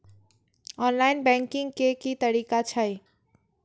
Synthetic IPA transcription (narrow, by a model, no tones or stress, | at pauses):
ɔːnlaːɪnbɛ̃ŋkɪ̃ŋɡkekit̪əɾiːkat͡ʃʰaj